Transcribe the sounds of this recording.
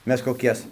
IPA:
ˈmʲɛs koːˈkʲɛs

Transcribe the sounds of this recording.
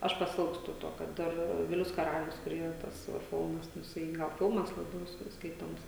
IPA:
ˈɐʃ pɐˈsʲɪlˠkstʊ ˈtoː kɐt ˈdɐr ˈʋʲɪlʲʊs kɐˈrɑːlʲʊs kʊr ˈiːrɐ ˈtɐs ʋɐ ˈfʲɪlˠmɐs nʊ jɪˈsɐɪ ˈɡɐlˠ ˈfʲɪlˠmɐs lˠɐˈbʲɛʊ ˈskɐɪ ˈskɐɪtoːms

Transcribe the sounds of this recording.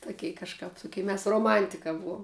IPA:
tʊˈkʲɛɪ kɐʃˈkɐp tʊˈkʲɛɪ mʲɛs roːˈmɐnʲtʲɪkɐ ˈbuɔm

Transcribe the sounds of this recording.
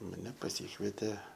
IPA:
mɐˈnʲɛ pɐˈsʲiːkʋʲiɛtʲeː

